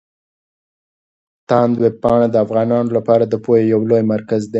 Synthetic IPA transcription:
t̪ɑnd̪web̚pɑɳ̃ad̪əafɣɑnɑnolapɑɾad̪əpojejawlojmaɾkazd̪e

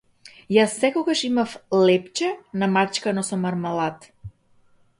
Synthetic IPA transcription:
jasːɛkɔɡaʃimaflɛpt͡ʃɛnamat͡ʃkanɔsɔmaɾmalˠat̪

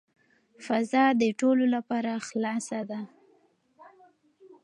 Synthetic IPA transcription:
fazɑd̪əʈololapɑɾaxlɑsad̪a

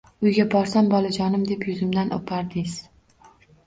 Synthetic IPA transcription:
ʊjɡʲabɒɾsambɒlˠad͡ʒɒnɪmd̪e̞pjʊzɪmd̪anʔo̰pʰaɾd̪ɪz

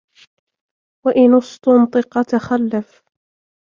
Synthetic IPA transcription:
waʔɪnʊsˤt̪ʊnt̪ˤɨqɑt̪axalːaf

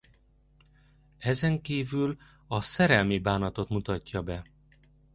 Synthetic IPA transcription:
ɛzɛŋkiːvyl | ɒsɛɾɛlmibaːnɒt̪o̞t̪mut̪ɒcːɒbɛ

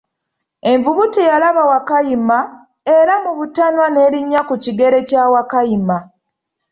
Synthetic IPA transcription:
e̞ɱvuβutijalaβawakajima | e̞ɾamuβutanwane̞ːɾiɲːakuciɡe̞ɾe̞caːwakajima

